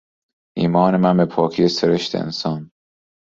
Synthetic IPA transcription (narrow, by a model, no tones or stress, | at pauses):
ʔiːmɒːnemænbepʰɒːkʰijeseɾeʃt̪ʰḛḛnsɒːn